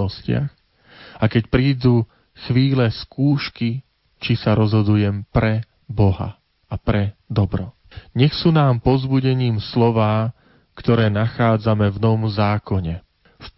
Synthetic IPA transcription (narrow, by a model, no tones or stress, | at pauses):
ɔscɪa̰x | akɛcpɾiːd̪uː | xʋiːlɛskuːʃki | t͡ʃisaɾɔzɦɔd̪ujɛmpɾɛ | bɔɦa̰ | apɾɛd̪ɔbɾɔ | ɲɛxsuːnaːmpɔzbuɟɛɲiːmslɔʋaː | kt̪ɔɾɛːnaxaːd͡zamɛvnɔʋɔmzaːkɔɲɛ | f